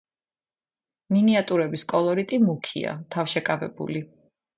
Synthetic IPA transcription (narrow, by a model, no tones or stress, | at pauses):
miniat̪ʼuɾɛbiskʼɔlˠɔɾit̪ʼimukʰḭa̰t̪ʰafʃɛkʼavɛ̰bṵli